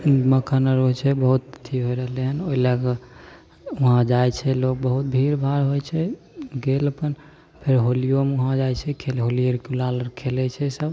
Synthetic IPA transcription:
məkʰənəɾɦojt͡ʃʰɛbəɦut̪t̪ʰiɦojɾəɦleɦənoilak | uɦãd͡ʒajt͡ʃʰɛlok̚bəɦut̪̚bʱiɾbʱaɾɦojt͡ʃʰɛ | ɡeləpən | pʰeɾɦolijomeuɦãd͡ʒajt͡ʃʰɛkʰelɦoliəɾkelaləɾkʰelɛt͡ʃʰɛsəb

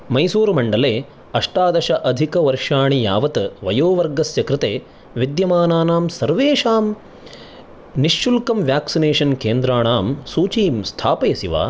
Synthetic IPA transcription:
mɐjsuːɾmɐɳɖɐleː | ɐʂʈaːd̪ɐʃɐʔɐd̪ʱikɐʋɐɾʂaːɳijaːʋɐt̪ɐʋɐjoːʋɐɾɡɐsjɐkɾɪt̪eː | ʋid̪jɐmaːnaːnaːmsɐɾʋeːʂaːm | niʃːulkɐmʋjaːksineːʂɐnkeːnd̪ɾaːɳaːmsuːt͡ʃiːmst̪ʰaːpɐjɐsiʋa̰ː

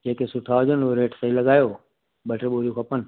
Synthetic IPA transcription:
d͡ʒekesʊʈʰaːod͡ʒənoɾeːʈʰsəilɐɡaːjoː | bəʈʰeboːɾukʰɐpən

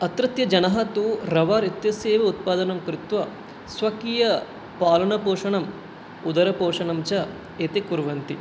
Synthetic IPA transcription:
ɐt̪ɾɐt̪jɐd͡ʒɐnɐɦɐt̪uɾɐʋaːɾit̪jɐsjeːʋɐut̪̚paːd̪ɐnɐmkɾɪt̪ʋɐ | sʋɐkiːjɐ | paːlɐɳɐpoːʂɐɳɐm | ud̪ɐɾɐpoːʂɐɳɐmt͡ʃɐ | et̪ekuɾʋɐnt̪i

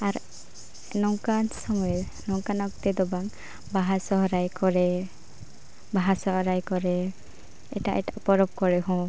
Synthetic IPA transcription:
aɾ | nɔŋkansɔmɔjɛ | nɔŋkanɔk̚t̪ɛd̪ɔbaŋ | baɦasɔɦɾajkɔɾɛ | baɦasɔɦɾajkɔɾɛ | ɛ̰ʈa̰ʔɛʈaʔpɔɾɔb̚kɔɾɛɦɔ̃

